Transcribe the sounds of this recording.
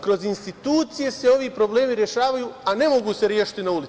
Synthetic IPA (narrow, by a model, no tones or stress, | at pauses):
kɾo̞zinst̪it̪uːt̪sije̞se̞o̞ʋiːpɾo̞ble̞ːmiɾje̞ʃaːʋajuːane̞mo̞ɡuːse̞ɾje̞ːʃi̥t̪inauli